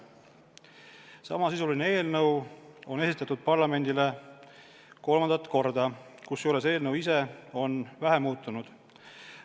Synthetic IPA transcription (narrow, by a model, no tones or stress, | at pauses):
sɑ̰mɑsisulinee̞ːlnɤwo̞ne̞sit̪ːˑɑt̪ːud̪̥̚pɑrlɑme̞nʲd̪ile̞ | ko̞lmɑnd̪ɑt̪ːˑko̞rd̪̥ɑkusjuːɾese̞ːlnɤwise̞o̞nvæɦemuːt̪ːˑunud̪̥